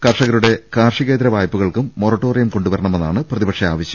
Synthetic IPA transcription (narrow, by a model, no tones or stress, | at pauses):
kɐrʂɐɣɐɾuɽe̞kaːrʂiɣe̞ːd̪ɾɐʋaːjpːuɣɐɭkumːo̞ːrɐʈːo̞ːrijɐmko̞ɳɖuʋɐɾɐɳɐmenːaːɳɨprɐðibɐkʂɐaːʋɐɕjɐ